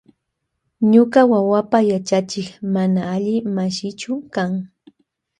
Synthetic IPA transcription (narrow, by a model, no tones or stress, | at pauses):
ɲʊɢawawapajat͡ʃat͡ʃɪχmanaːʎɪmaʃɪt͡ʃʊkaŋ